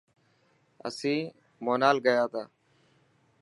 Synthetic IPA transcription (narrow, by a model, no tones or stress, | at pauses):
ə̰sĩː | moːnaːlɡəjaːt̪ʰaː